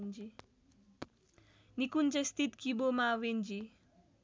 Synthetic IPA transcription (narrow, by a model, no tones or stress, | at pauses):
nd͡ʒi | nikund͡zest̪it̪kibomawend͡ʒi